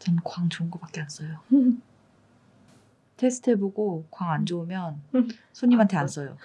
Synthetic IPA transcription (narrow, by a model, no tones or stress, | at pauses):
t͡ɕʌmkwaŋt͡ɕoŋɡobak͈̚e̞ans͈ʌjo | tʰesʰɯ̥tʰeboɡokwaŋand͡ʑoumjʌn | sʰoɲimɦantʰe̞ans͈ʌjo̰